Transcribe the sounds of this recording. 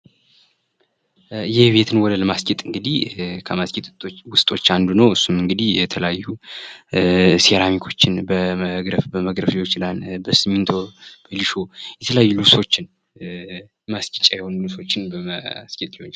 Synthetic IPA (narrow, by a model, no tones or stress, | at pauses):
jɪhbe̞t̪ʰɨnwɔd̪ələmaskʼit̪ʼɨŋɡɨd̪ihkʰəmaskʼit̪ʼt̪ʼowʊst̪ʼo̞t͡ʃːand̪unəwɨsːumɨŋɡɨd̪ihjɛt̪ʰələjajːu | seɾamikʰo̞t͡ʃːɪnbəməɡɾəfbəməɡɾəflot͡ʃːlanbəsɨmint̪ʰo̞b̥əliʃo̞jɛt̪ʰələjajːuluso̞t͡ʃːɪn | maskʼit͡ʃʼːajɛho̞nluso̞t͡ʃːɪnbəməskʼit̪ʼlihoɲː